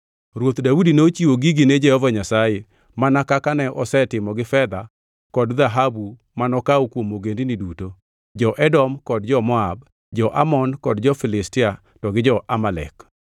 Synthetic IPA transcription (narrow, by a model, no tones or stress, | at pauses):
ɾwot̪daudinot͡ʃiwoɡiɡined͡ʒɛhɔvaɲasaje | manakakanɛʔɔsɛtɪmɔɡɪfɛd̪a | kɔdd̪aɦabu | manɔkaukwomoɡendiniduto | d͡ʒɔʔɛdɔmkɔdd͡ʒɔmɔab | d͡ʒɔʔamɔnkɔdd͡ʒɔfɪlɪstɪa | tɔɡɪd͡ʒɔʔamalɛ̰k